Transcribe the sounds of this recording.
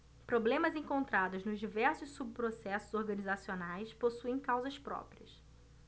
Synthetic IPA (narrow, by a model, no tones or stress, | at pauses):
pɾoblẽmɐzẽŋkõnt̪ɾad̪ʊznʊzd͡ʒivɛɾsʊsːub̚pɾosɛsʊzoɾɡɐ̃nizasionajsposuẽj̃kawzɐspɾɔ̰pɾiɐs